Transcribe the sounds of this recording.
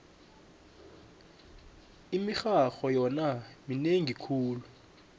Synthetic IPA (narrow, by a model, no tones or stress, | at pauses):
imixaxɔjɔnamineŋikʰuːlu